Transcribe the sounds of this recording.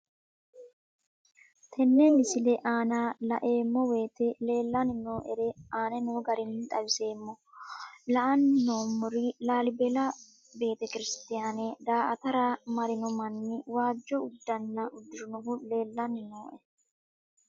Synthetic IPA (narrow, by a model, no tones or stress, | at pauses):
t̪ʰɛnːɛmɪsɪlɛʔaːnalɐ̰ʔe̞ːmːɔwe̞ːt̪ɛle̞ːlːɐnɪno̞ːʔɛɾɛaːnɛnoːɡɐɾɪnːɪt̪ʼɐwɪse̞ːmːɔ | lɐʔɐnɪnoːmːʊɾɪlaːlɪbɛlɐ | be̞ːt̪ɛkɪɾɪst̪ɪjaːned̪aːʔɐt̪ɐɾɐmɐɾɪnɔmɐnːɪwaːd͡ʒːɔʊd̪ːɐnːɐʔʊd̪ːɪɾʊnɔɦʊle̞ːlːɐnɪno̞ːʔɛ